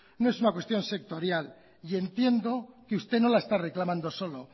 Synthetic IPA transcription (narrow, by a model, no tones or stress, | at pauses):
noe̞sunakwe̞st̪jo̞nse̞k̚t̪o̞ɾjal | ie̞nt̪je̞nd̪o̞keust̪e̞no̞lae̞st̪are̞klamãnd̪o̞so̞lo̞